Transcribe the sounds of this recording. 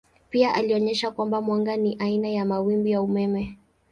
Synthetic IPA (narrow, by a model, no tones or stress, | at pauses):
piaʔaliɔɲɛʃakwambamwaŋɡaniʔainajamawimbijaumɛmɛ